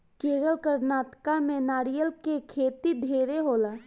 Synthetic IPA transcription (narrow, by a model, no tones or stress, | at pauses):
keːɡəlkəɾnaːt̪kamẽnaːɾijəlkekʰeːt̪id̪ʱeːɾeɦoːlaː